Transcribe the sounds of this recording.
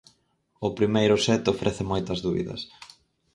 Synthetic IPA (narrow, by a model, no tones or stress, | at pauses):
ʊpɾimejɾʊsɛt̪ofɾʔɛθɪmojt̪ɐzðuβḭðɐ̰s